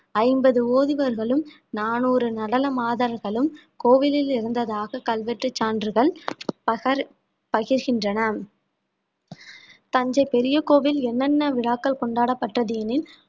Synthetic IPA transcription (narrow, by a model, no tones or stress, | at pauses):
ɐɪmbɐðɯoːðɪʋɐɾɣɐɭɯm | naːnuːɾɯnɐɽɐlɐmaːðɐɾɣɐɭɯm | koːʋɪlɪlɪɾɯnd̪ɐðaːɣɐkɐlʋɛʈrɯt͡ʃːaːndrɯɣɐɭpɐɣɐɾ | pɐɣɪɾɣɪndrɐnɐ | t̪ɐɲd͡ʒɐɪpɛɾɪjɐkoːʋɪlɛnːɐnːɐʋɪɭaːkːɐlkɔɳɖaːɽɐpːɐʈrɐðiːnɪn